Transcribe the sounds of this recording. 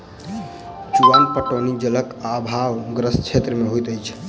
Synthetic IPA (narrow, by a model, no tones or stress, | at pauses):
t͡ʃuʋanpəʈonid͡ʒələkabʱawɡɾəst͡ʃʰet̪ɾəmeɦojt̪əjt͡ʃʰ